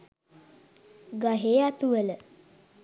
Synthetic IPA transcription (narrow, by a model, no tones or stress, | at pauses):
ɡaɦeːat̪uʋələ